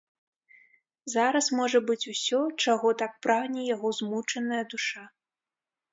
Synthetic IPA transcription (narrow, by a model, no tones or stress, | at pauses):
zaɾɐsmɔʐɐbɨt͡sʲusʲɔt͡ʂaɣɔt̪ak̚pɾaɣnʲɛjaɣɔzmut͡ʂɐnɐjɐd̪uʂa